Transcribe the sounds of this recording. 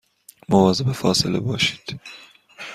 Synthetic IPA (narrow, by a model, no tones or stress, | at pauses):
movɒːzebefɒːselḛbɒːʃi̥ːd̪̥